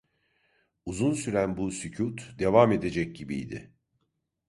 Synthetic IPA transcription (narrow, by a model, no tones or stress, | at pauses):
uzunsyɾænbusycʰut̪d̪e̞vame̞d̪e̞d͡ʒɛc̚ɟibḭjd̪ɪ̰